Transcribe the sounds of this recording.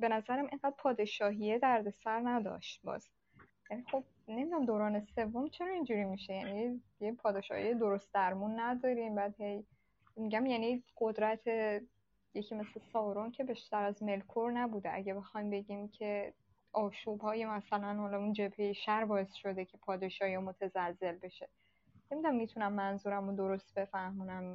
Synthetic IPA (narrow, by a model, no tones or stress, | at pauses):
be̞næzæɾæmʔeŋɢæd̪̥̚pʰɒːd̪e̞ʃɒːɦijed̪æɾd̪e̞sæɾnæd̪ɒ̰ːʃt̪̚bɒ̰ːz̥ | jænixo̞b̥̚ | ne̞mij̪æmd̪oːɾɒːne̞se̞vːo̞mt͡ʃʰe̞ɾɒːind͡ʒuːɾiːmiʃe̞jæni | jepʰɒːd̪e̞ʃɒ̰ːhḭjed̪o̞ɾo̞st̪̚d̪æɾmunːæd̪ɒːɾimbæd̪he̞j | miɟæmjæniɢ̥o̞d̪ɾæt̪ʰe̞ | jecʰiːme̞slesɒːɾoncʰe̞biʃt̪æɾæzme̞lkʰoɾnæbuːd̪eʔæ̰ɟæbe̞xɒjmbe̞ɟiːmcʰe̞ | ʔɒːʃuːbhɒːjemæsælænhɒːlɒund͡ʒe̞bhe̞jeʃæɾbɒːesʃo̞d̪e̞cʰe̞pʰɒːd̪eʃɒːiɒmo̞t̪ʰezæzːe̞lbe̞ʃe̞ | nemid̪unæmːit̪ʰunæmːænzuːɾæmod̪o̞ɾo̞st̪̚b̥e̞fæhmuːnæm